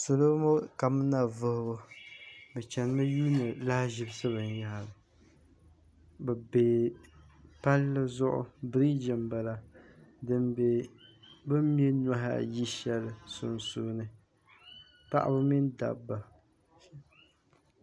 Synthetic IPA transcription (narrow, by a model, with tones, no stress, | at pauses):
so˨lo˦mo˦ka˨m˦na˨vʊ˦hʊ˦bo˦ | bɛ˨t͡ʃɛ˨n˦ma˦juː˦nɨ˨la˦hʒɪ˦bsɨ˦bɨ˨n˨ja˦ha˨lɨ˨ | bɛ˨beː˨ | pa˦lːɨ˦zʊ˦ʔʊ̰˦bɾi˦d͡ʒɪ˨mba˨la˦dɨ˨mbe˨ | bɨ˦mje˦na˦ɦa̰˨ji˦ʃɛ˦lɨ˨sʊ̰˨nsu˦nɨ˦ | ta̰˦ʔa̰˦bɨ˦mi˦nda̰˨bːa˨